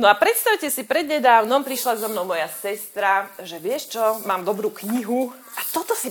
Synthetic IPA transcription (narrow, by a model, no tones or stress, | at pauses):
nɔapɾɛt̪st̪awcɛsipɾɛd̪ɲɛd̪aːʊnɔmpɾiʃlazɔmnɔʊmɔjasɛst̪ɾaʒɛʋɪɛʃt͡ʃɔmaːmd̪ɔbɾuːkɲiɦu | at̪ɔt̪ɔsi